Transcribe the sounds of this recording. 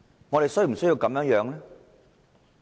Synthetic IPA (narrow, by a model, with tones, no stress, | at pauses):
ŋɔː˨˧ɾe˨jsjm̩˨˩sji˧wkɐ˨˧mjœː˧˥ŋjœː˨˧˥ŋlɛː˥